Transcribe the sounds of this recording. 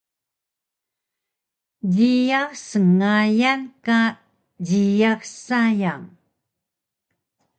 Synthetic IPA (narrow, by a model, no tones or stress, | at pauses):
d͡ʑijasəŋajanka | ɟijaksajaŋ